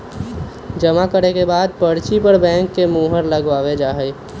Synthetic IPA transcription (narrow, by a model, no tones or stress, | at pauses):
d͡ʒəmakəɾekebaːd̪̚pəɽt͡ʃipəɾbɛ̃ːŋkːemuːɦəɾləɡʋaːʋed͡ʒaːɦəi